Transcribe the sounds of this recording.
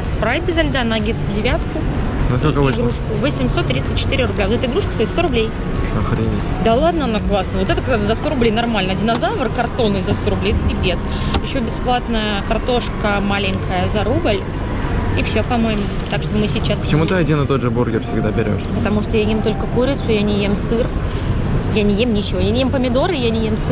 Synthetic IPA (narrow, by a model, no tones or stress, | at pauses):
spɾavʲɪt̪̚ʲbʲɪzɐlʲd̪anɐɡʲit̪sdʲɪvʲat̪kʊ | nɐskokəvoɡɾuʂkʊvəsʲɪmʲso̞t̪ːɾʲit̪sɨt̚ʲt͡ɕːɪ̥t̪ɨɾʲɪrʊblʲavot̪ɛt̪əɨɪɡɾuʂkə̥st̪ɐit̪t̪o̞ɾʊblʲej | ɐxɾʲinʲɪsʲd̪alˠad̪nəɐnaklˠasnəvo̞t̪ɛt̪ək̪ad̪zɐst̪oɾʊblʲejnɐrmalʲnədʲɪnɐzavərkɐrt̪o̞nɨzɐst̪oɾʊblejɛt̪əɡʲɪbʲet̪s | jɪɕːobʲɪsplˠat̪nəjəkɐrt̪o̞ʂkəmalʲɪŋʲkəjəzɐɾubəlʲ | ifsʲopɐmo̞jɪmʊ | t̪akʂt̪omɨsʲɪt͡ɕːasət͡ɕɪmut̪ɨɐdʲinət̪o̞t̪ʐəborɡʲɪrfʲsʲɪɡd̪abʲɪɾʲo̞̰ʂpət̪ɐmuʂt̪ojajemt̪o̞lʲkəkuɾʲɪt̪sʊjanʲɪjemsɨr | janʲɪjemnʲɪt͡ɕːɪvo̞janʲɪjempəmʲɪd̪o̞ɾɨjanʲɪjemsɨ